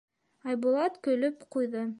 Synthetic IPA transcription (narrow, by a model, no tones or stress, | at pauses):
ɑjbʊlˠɑt̪kɵ̆lɵpqujðɤ